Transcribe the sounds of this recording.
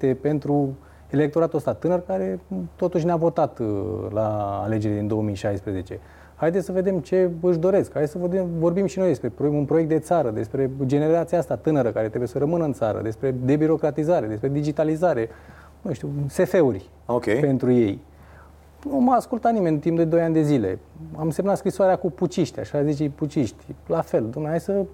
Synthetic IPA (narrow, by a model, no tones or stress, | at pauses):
t̪e̞pe̞nt̪ɾu | e̞le̞k̚t̪o̞ɾat̪uəst̪at̪ɨnərkaɾe̞t̪o̞t̪uʃ̬neavo̞t̪at̪la̰ːle̞d͡ʒe̞ɾʲed̪ind̪o̞omijʃajspɾeze̞t͡ʃe̞̰ | hajd̪et̪ʲsəve̞d̪e̞mt͡ʃe̞ɨʃd̪o̞ɾe̞skhajdesəvodemvo̞rbimʃino̞jd̪espɾe̞pounpɾojek̚t̪d̪e̞t̪saɾəd̪e̞spɾe̞d͡ʒe̞ne̞ɾat̪siaast̪at̪ɨnəɾəkaɾet̪ɾebujesəɾəmɨnəɨnt̪saɾə̰d̪e̞spɾe̞d̪e̞biɾo̞kɾat̪izaɾe̞d̪e̞spɾe̞d̪id͡ʒit̪alizaɾe̞ | nũʃt̪use̞fe̞urʲ | okʲejpe̞nt̪ɾuje̞j | numaːskult̪at̪nime̞nʲt̪imp̚d̪e̞d̪o̞janʲd̪e̞zile̞̰amse̞mnat̪skɾisoaɾeakuput͡ʃiʃt̪ʲa̰ʃazit͡ʃiput͡ʃiʃt̪ʲlafe̞ld̪umneasə